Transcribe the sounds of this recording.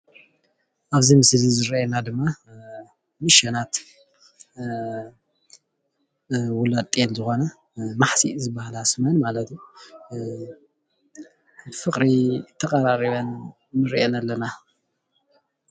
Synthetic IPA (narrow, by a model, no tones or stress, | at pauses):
ʔaβzimɨslizɨɾenad̪ɨmːa | mɨʃɐnat̪ | wʊlat̪ʼenzɨxo̞nɐ | maħsizɨbahalasmɐnmalɐt̪ju | fɨkʼɾit̪ʰɐkʼɐɾaɾiβɐnː | ɨɾʔenɐlːɐna